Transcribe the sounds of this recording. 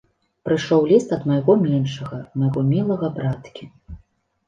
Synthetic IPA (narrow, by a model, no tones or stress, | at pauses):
pɾɨʂɔwlʲist̪ɐd̪mɐjɣɔmʲɛnʂɐɣɐmɐjɣɔmʲilˠɐɣɐbɾat̪kʲi